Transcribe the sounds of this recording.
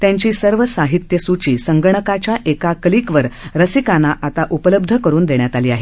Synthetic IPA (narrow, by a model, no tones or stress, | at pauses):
t̪jãɲt͡ɕiːsəɾʋəsaɦit̪jəsut͡ɕiːsəŋɡəɳ̃əkat͡ɕjaʔekakliːkʋəɾɾəsikanaʔat̪aʔupələb̚d̪ʱəkəɾuːnd̪eɳjat̪aliːaɦe